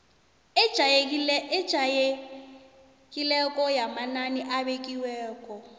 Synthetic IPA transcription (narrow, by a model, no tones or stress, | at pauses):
ɪa | d͡ʒʱae | kʼilɛkʼɔjamananiʔabekʼiwɛːkʼɔ